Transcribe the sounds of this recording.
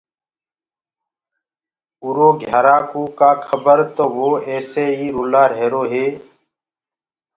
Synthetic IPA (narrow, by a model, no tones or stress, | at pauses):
uːɾoːɡʱjaːɾaːkuːkaːkʰəbəɾt̪oːʋoːeːseːɦiːɾʊlaːɾeːɾoːɦeː